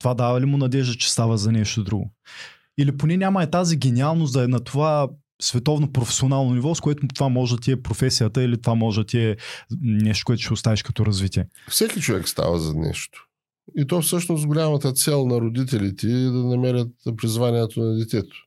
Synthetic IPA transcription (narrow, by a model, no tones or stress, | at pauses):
t̪ovad̪avɐlimʊnɐd̪ɛʒd̪ət͡ʃɛ̥st̪avəzɐnɛʃt̪od̪ɾuɡʊ̰ | iliponɛnʲamɐɛt̪aziɡɛnialˠnosd̪ɐɛnɐt̪ova | svɛt̪ɔvnopɾofɛ̥sionalˠnonivɔskoɛt̪ʊt̪ovamɔʒt̪ʲiɛpɾofɛsijət̪əilit̪ovamɔʒɛd̪ɐt̪iɛ | nɛʃt̪o̥koɛt̪ʊʃɛʊst̪aviʃkɐt̪ɔɾɐzvit̪iɛ | fsɛkit͡ʃovɛ̰kst̪a̰və̰zɐ̰nɛ̰ʃt̪o̥ | it̪ɔfsɤʃnosɡolʲamɐt̪ət̪sɛlˠnɐɾod̪it̪̬ɛlit̪ɛd̪ɐnɐmɛɾʲət̪pɾizvaniɛt̪onɐd̪ɛt̪ɛt̪o̥